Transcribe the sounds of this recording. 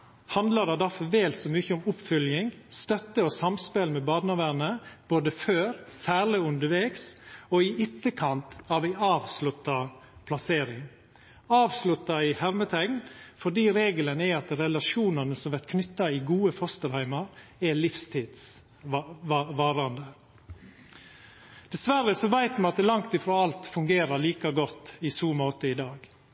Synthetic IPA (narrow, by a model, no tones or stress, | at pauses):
hɑnd̪lədɑd̪ɑfɔʋɛːlt̪sɔmyːçəɔmʊpːfʏljɪŋst̪œt̪ːəɔsɑmspɛlmɛbɑːd̪nɑʋæɾnəb̥oːd̪əføːɾsæːɭɪʉnd̪əɾʋɛːksɔɪɪt̪ːəkʰɑnt̪ɑʋæɪɑːʋslʉt̪ːɑ | pʰlɑseːɾɪŋ | ɑːʋslʉt̪ːɑɪhɛʋmət̪ʰɛŋnfɔɖiːɾeːɡələnɛɑt̪ɾɛlɑʃuːnənəsɔmʋæɾkʰnʏt̪ːɑɪɡuːəfɔst̪əɾhæɪmɑɾɛlɪfst̪ʰiːd̪s | ʋɑːɾɑnd̪ə | d̪̥ɛsʋæɾːəsɔʋæɪt̪mɑnɑt̪lɑŋt̪ɪfɾoːɑlt̪fʉŋɡeːɾɑɭiːkɑɡɔt̪ːɪsuːmoːt̪əɪd̪ɑːɡ